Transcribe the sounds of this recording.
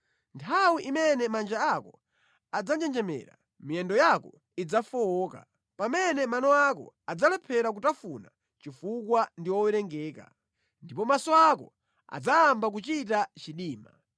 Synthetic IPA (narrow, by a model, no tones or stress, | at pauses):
ntʰawiʔimɛnɛmand͡ʒaakɔ | ad͡zand͡ʒɛnd͡ʒɛmɛ̰ːɾa̰ | miɛndɔjakɔ | id͡zafɔɔːka̰ | pamɛnɛmanɔakɔ̰ad͡zalɛpʰɛɾak̬utafuna̰ | t͡ʃifukwandiwɔwɛɾɛŋɡɛːka̰ | ndipɔmasɔakɔ | a̰d͡zaːmbak̬ut͡ʃit̬at͡ʃiɗiːma